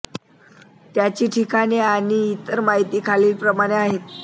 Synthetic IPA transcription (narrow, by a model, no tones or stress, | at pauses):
t̪jat͡ɕiːʈʰikaneañiːt̪əɾmaɦit̪iːkʰaliːlpɾəmaɽ̃eaɦet̪